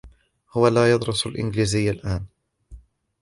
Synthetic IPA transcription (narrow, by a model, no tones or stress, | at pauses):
hʊwalaːjɑd̪ˤɾʊsalʔɪ̰nɡliːzɪjːalʔaːn